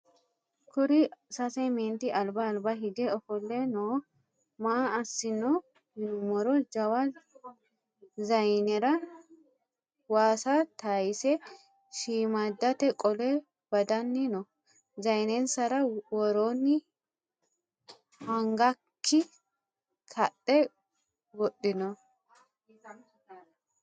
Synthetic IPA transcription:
kʊɾɪsɐsɛjmeːnt̪ɪʔɐlbɐːlbɐɦɪɡɛɔfɔlːɛnoː | maːɐsːɪnɔ | mɪnmɔɾɔd͡ʒɐwɐ | zɐjnɛɾɐ | waːsɐt̪aːjɪsɛ | ʃiːmɐd̪ːɐt̪ɛkʼɔlɛ | bɐd̪ɐnːɪnɔ | zɐjnɛnsɐɾɐwɔɾonːɪ | hɐŋɡɐkʰːɪ | kʰɐtːɛ | wɔɗːɪnɔ

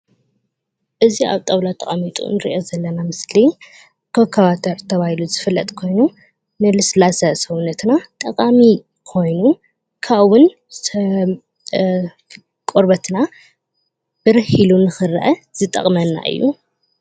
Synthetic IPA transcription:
ʔɨziʔa̰βt̪ʼɐwlat̪ʰʼɐχʼɐmit̪ʼṵnɨɾḭʔo̞zɐlːɐnamɨsli | kʰɐkʰɐβat̪ʰɐɾt̪ʰɐβahiluzɨfɨlːɐ̰t̪ʼkʰo̞jnu | nɨlɨslasɐsɐwunːɐt̪nat̪ʼɐkʼami | kʰo̞jnu | kʰawʊn | s | kʼoɾbɐt̪ʰna | b̥ɨɾɨhilunɨxɨɾʔɐz̥ɨt̪ʼɐ̰χʼmɐnːa̰ʔɨ̰jːṵ

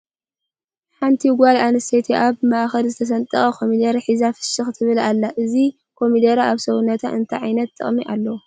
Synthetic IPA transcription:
ħant̪ʰiɡʷalanɨst̪ʰet̪ʰiʔaβmaʔxɐlzɨt̪ʰɐs̬ɐnt̪ʼɐxʼɐkʰo̞mid̪ɐɾħizafɨ̥ʃɨxt̪ʰɨβɨlalːaʔɨzi | kʰo̞mid̪ɐɾaaβsɐwunːɐt̪ʰa̰ʔɨ̰nt̪ʰɐʕajnɐt̪ːɨ̰χʼmiʔa̰lːɐwu

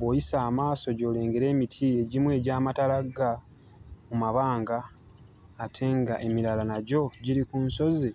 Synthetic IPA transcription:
βo̞ːjisaːmaːso̞ɟo̞ːle̞ːŋɡe̞ɾe̞ːmitʰie̞ɟimwe̞ːɟaːmatalaɡa | mumaβaːŋɡaː | tʰe̞ŋɡaʔe̞milalanaɟo̞ɟiɾikunso̞zi

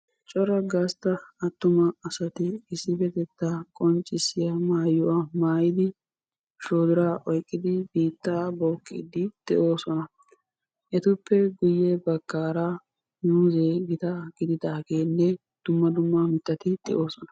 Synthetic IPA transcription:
t͡ʃʼɔɾɐɡast̪ɐɐt̪ːʊmɐɐsɐt̪ɪːsːɪfɛt̪ɛt̪ːakʼɔnt͡ʃʼːɪsːɪjɐmaːjːʊwamaːjɪd̪ɪ | ʃoːd̪ɪɾaːʔɔjkʼːɪd̪ɪbiːt̪ːaːboːkʼːḭːd̪ɪd̪̥ɛʔo̞ːsɔnɐ | ʔɛt̪ʊpːɛɡʊjːɛbɐkːaːɾa | juːzeɡɪt̪aɡ̥ɪd̪ɪd̪akeːnːɛ | d̪̥ʊmːɐd̪ʊmːamɪt̪ːɐt̪ɪd̪̥ɛ̰ʔo̞ːsɔnɐ̥

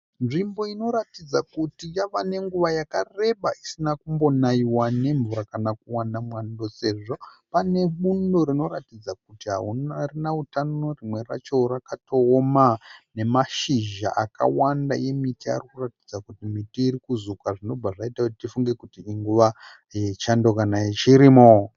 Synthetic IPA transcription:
nʐimbo̞ino̞ɾatid͡zakutijaʋane̞ŋɡuʋajakare̞ɓaisinakumbo̞naiwane̞ɱvuɾakanakuwanamwando̞se̞ʐo̞pane̞ɓundo̞ɾino̞ɾatid͡zak̚utiɦa̰unarinautanorimwe̞ra̰t͡ʃo̞rakato̞ːmane̞maʃiʒa̰ʔaka̰wandaje̞mitia̰rikuratid͡zakutimitiiɾikuzukaʐino̞b͡vaʐaitakutitifuŋɡe̞kutiːŋɡuʋa | je̞t͡ʃando̞kanaet͡ʃiɾimo

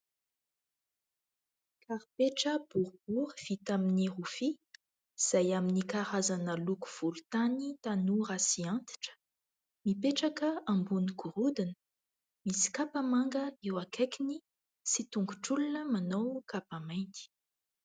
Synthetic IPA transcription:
kʰaɾpeʈ͡ʂəb̥uɾb̥uʁv̥it̪aminiʁufi | iz̥ajaminikaɾazanəluku̥v̥ulut̪anit̪anurasiant̪i̥ʈ͡ʂə̥ | mipeʈ͡ʂakəãmbuniɡuɾud̪inə | misi̥kapamaŋɡəewakekini | sit̪uŋɡuʈ͡ʂulunəmanowkapamajnt̪i̥

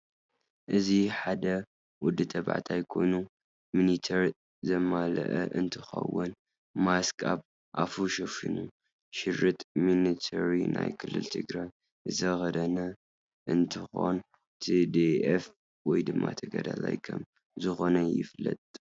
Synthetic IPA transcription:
ʔɨziħad̪ɐ | wʊd̪ːɨt̪ʰɐba̰ʕt̪ʰajkʰo̞̰nu | minit̪ʰɐɾ | zɐmalɐ̰ʔɐʔɨnt̪ʰɨxɐ̰wːʊn | maskʼab | ʔafuʃofinu | ʃɪɾɨt̪ʼminit̪ʰɐɾina̰jkʰɨlːɨ̰lt̪ʰɨɡɾaj | zɐxɐd̪ɐnɐ | ʔɨnt̪ʰɨxo̞̰n | t̪ʰid̪eef | wɔjd̪ɨmːat̪ʰɐɡɐd̪ɐ̰la̰jkʰɐm | zɨxo̞nɐjɪ̰flɐt̪ʼ

